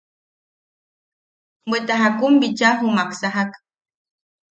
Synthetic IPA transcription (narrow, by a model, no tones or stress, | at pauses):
mbet̪aɦakumbit͡ʃaɦumaksaɦak